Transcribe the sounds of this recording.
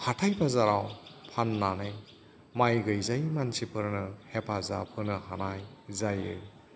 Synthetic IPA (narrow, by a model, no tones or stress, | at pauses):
hatʰajpʰazaɾawpʰanːanɯj | majɡɯjzajmansipʰɯɾnɯhepʰaza̰pʰɯɾnɯhanajzajɯ̰